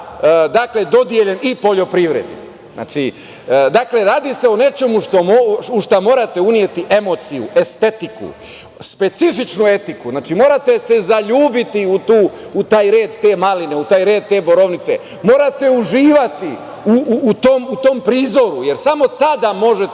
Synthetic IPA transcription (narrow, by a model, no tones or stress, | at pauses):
d̪akle̞d̪o̞d̪jeʎe̞nipo̞ʎo̞pɾiʋɾḛd̪ḭ | zna̰ːt͡ʃi | d̪akle̞ɾaːd̪ise̞one̞t͡ʃe̞muʃt̪o̞ouʃt̪amo̞ːɾat̪e̞unje̞t̪iʔe̞mo̞t̪sijṵʔe̞st̪e̞t̪ikṵ | spe̞t̪sifit͡ʃnue̞t̪ikuznaːt͡ʃimo̞ːɾat̪e̞se̞zaʎuːbit̪iut̪uːut̪aːjɾe̞ːd̪t̪e̞ːmalineut̪aːjɾeːd̪̚t̪e̞ːbo̞ɾo̞ʋnit̪se̞̰ | moːɾat̪e̞uʒiːʋat̪i | uːt̪omut̪o̞mpɾiːzo̞ɾuje̞ɾsamo̞t̪ad̪amo̞ʒet̪